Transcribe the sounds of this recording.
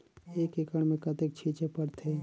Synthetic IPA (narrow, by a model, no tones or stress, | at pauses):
eːkekəɽ̃mẽkɐt̪ek̚t͡ʃʰit͡ʃepəɾt̪ʰe